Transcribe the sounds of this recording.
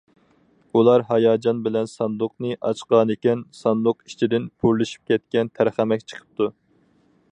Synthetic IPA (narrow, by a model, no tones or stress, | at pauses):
ulˠɑɾɦɑjɑːd͡ʒɑnbɪlɛnsɑnd̪ʊqnɨʔɑt͡ʃqɑnɪkʲɛnsɑnd̪ʊqi̥t͡ʃʰid̪ɪnpʰuɾlɪʃi̥p̚kʲʰɛt̪̚kʲɛnt̪ʰæɾχæmɛkʲt͡ʃʰə̥qʰə̥p̚t̪ʰu